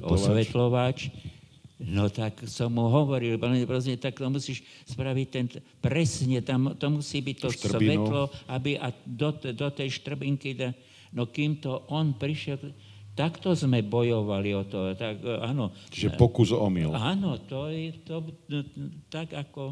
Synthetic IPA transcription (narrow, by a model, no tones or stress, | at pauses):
ɔ̰ssʋɛt̪lɔʋat͡ʃ | nɔt̪aksɔmːuɦɔʋɔɾilpɔɛpɾɛs̬ɲɛt̪akt̪ɔmusiːʃ | spɾaʋic̚t̪ɛn | pɾɛsɲɛt̪amt̪ɔmusiːbict̪ɔsʋɛt̪lɔabiʔad̪ɔt̪d̪ɔt̪ɛjʃt̪r̩biŋkid̪a | nɔkiːmt̪ɔʔɔnpɾiʃɛl | t̪akt̪ɔzmɛbɔjɔʋaliɔt̪ɔt̪akaːnɔt͡ʃiʒɛppɔkuzɔ̰mḭlaːnɔt̪ɔjɛt̪ɔ | t̪aɡakɔ